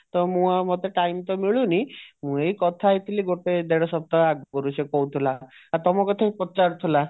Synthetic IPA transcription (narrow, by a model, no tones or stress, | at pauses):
t̪ɔmũamot̪eʈajmt̪ɔmiɭunimũejkɔt̪ʰajt̪ʰiliɡoʈed̪eɽɔsɔb̚t̪ɔaɡ̚bɔɾusekɔwt̪ʰilaːt̪ɔmɔkɔt̪ʰapɔt͡ʃaɾt̪ʰila